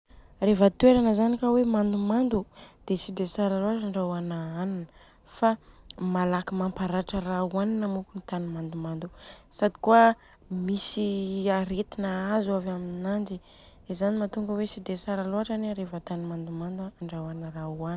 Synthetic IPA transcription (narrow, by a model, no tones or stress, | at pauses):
refət̪ueɾanəzanikawemand̪umand̪ud̪̥esid̪esaɾaluaʈ͡ʂaɳɖ͡ʐawanaaninə | famalakimampaɾaʈ͡ʂərauaninamukunit̪animand̪umand̪usad̪i̥kuə | misiaɾet̪inaazuavaminnand͡ʒi | ezanimat̪uŋɡəwesid̪esaɾaluaʈ͡ʂanɾefət̪animand̪umand̪aːɳɖ͡ʐawanəɾauan